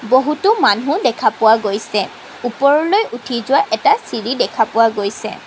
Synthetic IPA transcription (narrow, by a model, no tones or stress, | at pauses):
boɦutʊmanɦʊ̃dɛkʰapʊwaɡojsɛ | upɔɹɔlojʔutʰizʊwaʔɛtasiɹidɛkʰapʊwaɡojsɛ̰